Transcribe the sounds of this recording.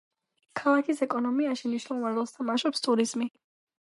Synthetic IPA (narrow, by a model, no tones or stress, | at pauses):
kʰalˠakʰisɛkʼɔnɔmiaʃimniʃnɛlˠvanɾɛlˠst̪ʰamaʃɛpst̪ʼuɾizmi